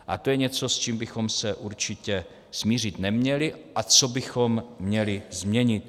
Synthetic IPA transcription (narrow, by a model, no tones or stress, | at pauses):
ʔat̪ojɛɲɛt͡so̞st͡ʃiːmbɪxo̞msɛʔuɾt͡ʃɪcɛ | smiːr̝ɪt̪nɛmɲɛlɪʔat͡sobɪxo̞mːɲɛlɪzmɲɛɲɪt̪̚